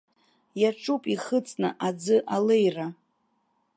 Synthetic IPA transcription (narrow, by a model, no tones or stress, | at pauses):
jaʈ͡ʂʼupʼiχət͡sʼnɨ̰ʔad͡zɨʔale̞jra